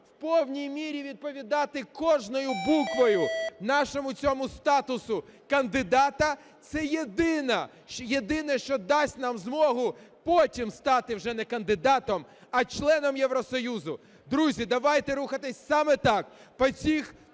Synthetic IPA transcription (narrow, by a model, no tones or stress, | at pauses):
wpɔwnʲijmʲiɾʲiʋʲid̪̚pɔʋʲid̪ɑt̪ɪkɔʒnɔjʊbukʋɔjʊnɑʃɔmʊt͡sʲɔmʊst̪ɑt̪ʊsʊ | kɐnd̪ɪd̪ɑt̪ɐ | t̪sɛjed̪ɪnɐ | jed̪ɪnɛʃt͡ʃɔd̪ɑsʲtʲnɑmzmɔɦʊpɔtʲimst̪ɑt̪ɪwʒɛnɛkɐnd̪ɪd̪ɑt̪ɔmɐt͡ʃlˠɛnɔmjɛwɾɔsɔjuzʊ | d̪ɾuzʲid̪ɐʋɑjt̪ɛɾuxɐt̪ɪsʲsɑmɛt̪ɑk̚pɔt͡sʲix